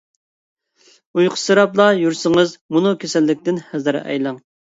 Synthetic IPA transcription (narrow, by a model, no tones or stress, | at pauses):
ujqʰʊ̥sɨɾɑplˠɑjuɾsɪŋɨzmunukʲʰesɛlːɪk̚ʲt̪ɪnhæzɨɾ̰ɛ̰jlˠɑŋ